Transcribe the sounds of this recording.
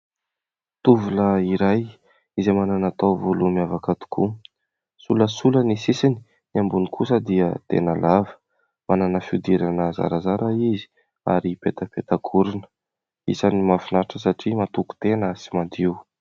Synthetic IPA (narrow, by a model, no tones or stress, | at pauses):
t̪uvuləiɾaj | izemananat̪awvolumiavakat̪u̥kʰu | suləsulənisisini̥ | niambunikʰusəd̪iət̪ḛnəlavə̥ | mananəfiud̪iɾanəza̰ɾazaɾaizi̥ | a̰ɾipet̪əpet̪akʰuɾunə̥ | ḭsanimafinaɾʈ͡ʂəsaʈ͡ʂimat̪uku̥t̪enəsimad̪iw